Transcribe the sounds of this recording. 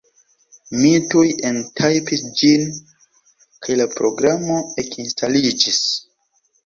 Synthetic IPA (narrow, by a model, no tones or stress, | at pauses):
mitujentʰajpisd͡ʒin | kaajlapɾo̞ɡɾamo̞ekinstalid͡ʒis